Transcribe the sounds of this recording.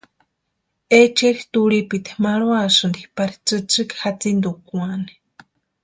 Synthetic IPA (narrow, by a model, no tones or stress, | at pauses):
et͡ʃeɾit̪uɽipit̪e̥maɽwasɨnd̪ipaɾit͡sɨt͡sɨkhat͡sind̪ukuani̥